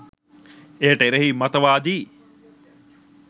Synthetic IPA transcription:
eɦəʈəeɾeɦiːmɐt̪əʋaːd̪iː

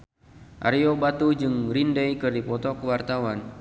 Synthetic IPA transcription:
ʔa̰ɾiobat̪ud͡ʒɨŋrindɛjkɨrdipɔt̪ɔkəwart̪awan

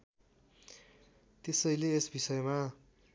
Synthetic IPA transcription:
t̪esʌjleːsbisʌjma

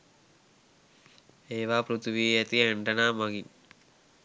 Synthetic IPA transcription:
eːʋaːpɾut̪ʰuʋiːɐt̪iɐɳɖɐnaːmɐɡin

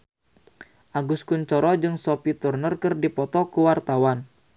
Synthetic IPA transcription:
ʔaɡuskuɲt͡ʃɔɾɔd͡ʒɨŋsɔpit̪urnərkɨrdipɔt̪ɔkuwart̪awan

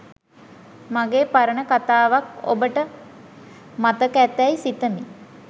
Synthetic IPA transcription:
maɡeːpaɾəɳəkat̪aːʋako̰bəʈə | mat̪əkæt̪æjsit̪əmi

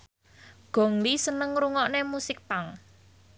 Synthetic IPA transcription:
ɡ̥ɔ̤ŋlisənəŋɾuŋɔʔnemusɪk̚paŋ

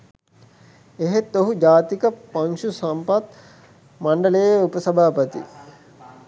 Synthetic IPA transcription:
eɦet̪ːoɦud͡ʒaːt̪ikɐpɐŋʃusɐmpɐt̪ | mɐɳɖɐlejupɐsɐbʱaːpɐt̪ḭ

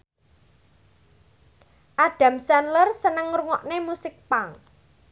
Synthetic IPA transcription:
ʔaɖ̥ä̤msanlərsənəŋruŋɔʔnemusɪk̚paŋ

